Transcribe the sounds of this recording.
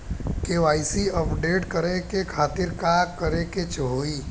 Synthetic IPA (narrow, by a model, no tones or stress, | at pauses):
keʋaːisiəpɖeːʈkəɾekekʰaːt̪ɪɾkaːkːəɾeket͡ʃəɦoːiː